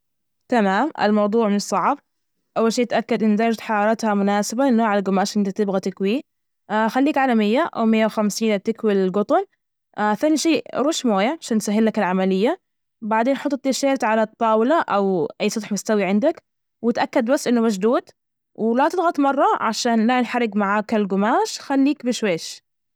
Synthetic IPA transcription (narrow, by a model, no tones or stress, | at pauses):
t̪amaːmʔɪ̰lmɑwd̪ˤuːʕmɪnɨsˤːɑʕb̚ | ʔawːalʃiːt̪ʔakːad̪ʔɪnːzaːd͡ʒt̪ħɑɾɑːɾˤɑt̪hamʊnaːsɪbaɪnːoːʕalalɡʊmaːʃʔɪnt̪at̪ɪbɣat̪ɪkwiː | xalːiːkʕaːlamɪjːaʔa̰wmɪjːawxamsiːnb̚t̪ɪkwilɪlɡʊt̪ˤɑl | aθaːniʃiːɾˤuːʃmoːjaʕaʃaːnt̪saɦːɪlːakɪlʕamalɪjːa | baʕd̪eːnħɑt̪ˤːt̪ːiʃeːɾt̪ʕalat̪ˤːɑːwlaʔawʔajːsˤɨt̪ħmʊst̪awiʕɪnd̪ak | wɪt̪ʔakːad̪basːʔɪnːʊmaʒd̪uːd̪ | wɪlat̪ɪlɣɑt̪ˤmɑrˤːɑʕaʃaːnlanħaɾːɪɡmaʕaːkalɡʊmaːʃxalːiːkbɪʃweːʃ